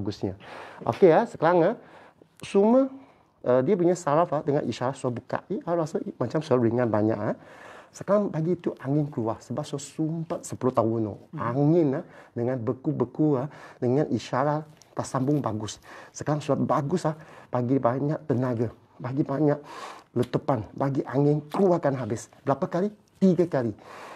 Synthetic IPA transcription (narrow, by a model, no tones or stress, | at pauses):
ɡʊsɲaʔo̰keasəkaɾaŋa | suməh | ʔədiəp̬uɲasaɾafahdəŋa̰nḭʃaɾasuabuka̰ʔiaɾasamat͡ʃamsualɾiŋanbaɲa̰ʔasəkaɾaŋbaɡiːt̪uʔaŋɪnkəluahsəbap̚suasumpat̪̚səpuluht̪aʊno̰ʔaŋɪnahdəŋanbəkubəkulahdəŋanʔiʃaɾah | t̪asambʊŋbaɡʊsːəkaɾaŋsuabaɡʊsahb̥aɡibaɲaʔt̪ənaɡa | baɡibaɲaʔlət̪əpanbaɡiʔaŋɪnkluahkanɦabɪsbəɾapakali | t̪iɡakali